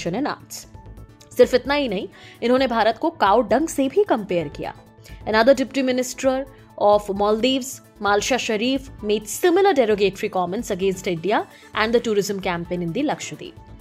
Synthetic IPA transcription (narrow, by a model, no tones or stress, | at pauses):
ʃənena̰ːs | sɪɾfɪt̪naɦinɐɦĩɪnɦõːnebʱaːɾət̪kokaːwɖɐ̃ŋɡsebʱikɐ̃mpeːəɾkija̰ː | ənɐd̪əɾɖɪpjʈimɪnɪsʈɾəɾ | ɔːfmɔːld̪iːʋz | maːlʃaʃɐɾiːfmeːʈsɪmɪləɾɖeːɾoːɡeːʈɾikɔːmə̃nsɐɡẽːnsʈɪ̃ɳɖija | ʔɛ̃ːɳɖd̪əʈuːɾɪzə̃mkæːmpẽːnɪ̃nd̪ilɐkʃəd̪ḭː